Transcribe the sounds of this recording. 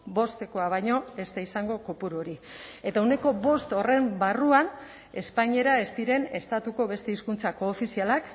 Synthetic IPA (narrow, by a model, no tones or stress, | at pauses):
bo̞st̪e̞ko̞aβ̞ajɲo̞e̞st̪aisaŋɡo̞kopuɾuoɾie̞t̪aune̞ko̞βo̞st̪o̞re̞mbaruan | e̞spaɲe̞ɾae̞st̪iɾe̞ne̞̰st̪at̪uko̞βe̞st̪e̞iskunt͡sako̞ːfisialak